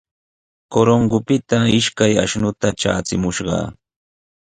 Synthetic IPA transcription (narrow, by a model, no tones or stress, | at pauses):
koɾoŋɡʊpɪt̪aɪʃkaja̰ʃnʊt̪at͡ʃa̰ːt͡sɪmʊʃɢɑ̰ː